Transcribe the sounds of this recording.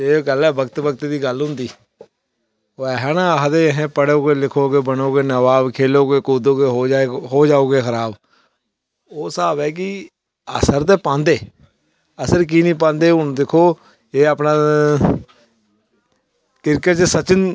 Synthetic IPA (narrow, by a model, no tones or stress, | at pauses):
eːɡəlɛːbəkt̪bəkt̪ed̪iːɡəlɦʊ̃nd̪iː | oːɛːɦɛ̃ːnaɦd̪eːɦẽːpəɽoːɡeːlɪkʰoːɡeːbənoːɡeːnəʋaːbkʰeːloːɡeːkoːd̪oːɡeːɦoːd͡ʒaɦoːd͡ʒaːoːɡeːxʰəɾaːb | oːsaːbɛːk̬ɪ | ə̰səɾt̪̬eːpãːnd̪eː | əsəɾk̬iːnĩːp̬ãːnd̪eːʊd̪ɪkʰoː | eːəpnaː | kɪɾkət͡ʃsət͡ʃən